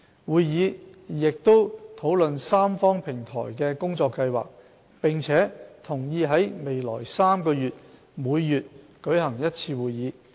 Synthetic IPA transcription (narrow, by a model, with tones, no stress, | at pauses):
wuː˨˧jjiː˨˧jɪ˨k̚t̪o˥wt̪ʰo˨˥wlɵ˨nsaː˥mfɔː˥ŋpʰɪ˨˩ŋt̪ʰɔ̰ː˨˩jkɛː˧kʊ˥ŋt͡sɔː˧kːɐ˧jwa̰ː˨k̚ | pɪ˨˩ŋt͡sʰɛː˨˥t̪ʰʊ˨˩ŋjiː˧ɦɐ˨˥jme˨jlɔ̰ː˨˩jsaː˥mkɔː˧jyː˨t̚ | muː˨˧jːyː˨t̚ | kɵ˨˥jhɐ˨˩ŋjɐ˥t̚t͡sʰiː˧wuː˨jːiː˨˧